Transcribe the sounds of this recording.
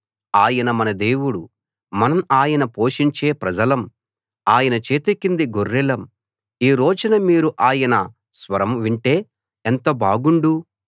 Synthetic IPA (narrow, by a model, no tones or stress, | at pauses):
aːjɐnɐmɐnɐd̪e̞ːwuɽu | mɐnɐmaːjɐnɐpo̞ːʂiɲt͡ʃe̞ːpɾɐd͡ʒɐlɐm | aːjɐnɐt͡ʃeːt̪ekːind̪iɡorːilɐm | iːɾo̞ːd͡ʒunɐmiːɾuʔaːjɐnɐ | sʋɐɾɐmʋiɳʈe̞ː | ent̪ɐbaːɡuɳɖu